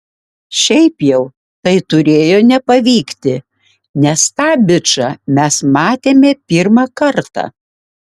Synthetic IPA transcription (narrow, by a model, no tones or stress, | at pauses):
ʃʲɛɪpjɛʊ | t̪ɐɪt̪ʊɾʲeːjoːnʲɛpɐʋʲiːkt̪ʲɪ | nʲɛst̪ɑːbʲɪt͡ʃɑmʲɛsmɑːt̪ʲeːmʲepʲiɾmɑkɐɾt̪ɑ̰ː